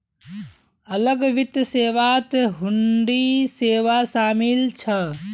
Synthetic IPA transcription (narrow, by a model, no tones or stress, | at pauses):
ələɡʋit̪əseːʋat̪ɦuɳɖiseːʋasaːmilt͡ʃʰə